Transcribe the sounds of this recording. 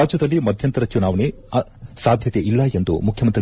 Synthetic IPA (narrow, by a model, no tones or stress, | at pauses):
aːd͡ʒjɐd̪ɐlːimɐd̪ʱjɐnt̪ɐɾɐt͡ʃunaːʋɐne | saːd̪ʱjɐt̪eʔilːɐend̪ṵmukʰjɐmɐnt̪ɾi